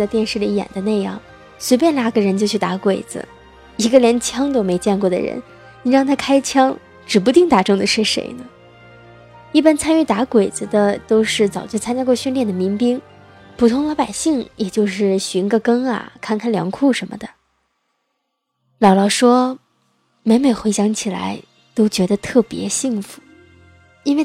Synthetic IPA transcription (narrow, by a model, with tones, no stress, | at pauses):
ə˧t̪jɛ˥˧nʂɻ̩˥˩li˧˥jɛ̰˨˩nd̪ə˦ne˥˧ɪjɑ̰˥˩ŋ | swe˧˥pjɛ˥nla˥˩ɡə˧ɻə˧˥nt͡ɕjo˥˧ʊt͡ɕʰy˥˩t̪a˧˥kwe˨˩ɪd͡z̩̰˦ | i˧˥ɡə˧ljɛ˧˥nt͡ɕʰjɑ˥ŋt̪̬o˥ʊme˧˥ɪt͡ɕjɛ˥˧nkwɔ˥˩d̪ə̰˩ɻə̰˧˥n | ni˨˩ɻɑ˥˧ŋt̪ʰa˥kʰa˥ɪt͡ɕʰjɑ˥ŋ | ʈ͡ʂɻ̩˨˩p̬u˧˥t̪i˥˩ŋt̪a˧˥ʈ͡ʂɤ˥˩ŋd̪ə˨˩ʂɻ̩˥˩ʂḛ˧˥ɪnə˧ | i˥˩pa˥nt͡sʰa˥ny˥˩t̪a˧˥kwe˨˩ɪd͡zɹ̩˧d̪ə˨t̪o˥ʊʂɻ̩˥˩t͡sɑ˨˩ʊt͡ɕ̩ʰ˥˩t͡sʰa˥nt͡ɕja˥kwɕy˥˧nljɛ˥˩nd̪ə˩mi˧˥ŋpi˥ŋ | pʰu˨˩t̪ʰʊ˧˥ŋlɑ˧˥ʊpa˨˩ɪɕi˥˩ŋjɛ˨˩t͡ɕjo˥˧ʊʂɻ̩˥˩ɕy˧˥nɡə˥˧kɤ˥ŋɐ̰˨˩kʰa˥˩nkʰa˥˩nljɑ̰˧˥ŋkʰu˥˩ʂə˧˥nmə̰˧d̪ə˩ | lɑ˨˩ʊlɑ˨˩ʊʂwɔ˥ | me˧˥ɪme˨˩ɪxwe˧˥ɪɕjɑ˧˥ŋt͡ɕʰi˨˩la̰˧˥ɪ | t̪o˥ʊt͡ɕɥɛ˧˥d̪ə˧t̪ʰɤ˥˩pjɛ̰˧˥ɕi˥˩ŋfu̥˧˩˦ | i˥nwe˥˧ɪ